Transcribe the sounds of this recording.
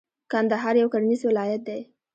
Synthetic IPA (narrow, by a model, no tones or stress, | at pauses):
kand̪aɦɑɾjawkaɾanizwɪlɑjat̪̚d̪aj